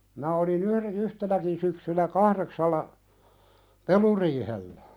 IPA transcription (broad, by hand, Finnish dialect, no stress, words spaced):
mĭnæ olin yhren yhtenækin syksynæ kɑhɾeksɑlːɑ peluriːhelːæ